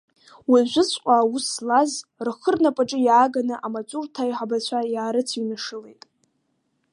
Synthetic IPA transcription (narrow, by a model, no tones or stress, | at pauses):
waʒʷʊt͡sʷʰʼqʷʼaːwuslazrχərnapʼaʈ͡ʂʼɨjaːɡanɨʔamat͡sʷʼurtʰajħabat͡ɕʷʰajaːɾɨt͡sʰinaʂɨlḛjtʼ